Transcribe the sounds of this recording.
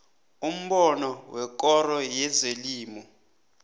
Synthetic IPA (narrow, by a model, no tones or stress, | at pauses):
um̩ɓɔnɔwɛk̬ʼɔɾɔjɛzeliːmɔ